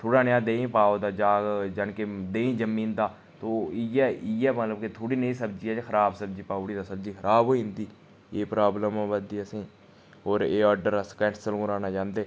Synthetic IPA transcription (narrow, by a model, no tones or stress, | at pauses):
t̪ʰoːɽaːnɪjãːd̪eːĩːpaːoːd̪aːd͡ʒaːɡd͡ʒənkeːd̪eːĩːd͡ʒəmiːnd̪aː | t̪oːijɛːʔiɛːmət̪ləbket̪ʰoːɽiːneĩsəbd͡ʒiːɛːkʰəɾaːbsəb̚d͡ʒiːpaːoɽiːd̪aːsəbd͡ʒiːkʰəɾaːboːiɪ̃nd̪iː | eːpɾaːbləmãːʋəd̪iːəsĩː | oːɾeːɔːɖəɾəskɛʈsəlɡʊɾaːnaːd͡ʒãːnd̪eː